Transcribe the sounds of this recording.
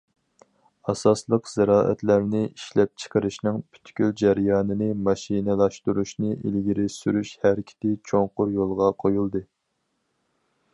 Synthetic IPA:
ɑsɑslˠəqz̥æɾɑːʔɛ̰t̪læɾnɪʔiʃlɛp̚t͡ʃʰə̥qəɾɨʃnɨŋpʰy̥t̪ʰkʲyld͡ʒæɾjɑːnɨnɨmɑʃinɪlˠɑʃt̪uɾuʃnɨʔḭlɡʲiɾɪsyɾyʃhæɾkʲʰi̥t̪ɪt͡ʃʰoŋqʊɾjolˠʁɑqʰojulˠd̪ɨ

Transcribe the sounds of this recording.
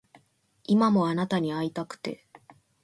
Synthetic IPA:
imamo̞anat̪aɲ̟iait̪akɯ̟̥t̪e̞̰

